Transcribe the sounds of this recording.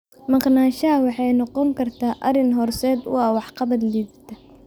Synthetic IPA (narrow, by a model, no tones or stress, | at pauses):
mɑqnaːʃɐɐwɑħɑjnɔqɔŋkʰɐrt̪ʰaːʔɐ̰rɪnɦɔrsɛːd̪wɑːwɑħqɑβɐd̪liːbt̪ʰɐ